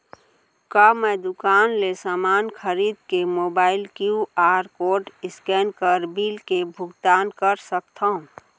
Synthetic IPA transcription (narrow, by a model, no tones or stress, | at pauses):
kamɛd̪ʊkaːnlesaːmaːnkʰəɾiːd̪kemoːbaːɪlkjuaːɾkoːʈɪskɛːnkəɾbiːlkebʱʊɡt̪aːnkəɾsək̚t̪ʰaɦũ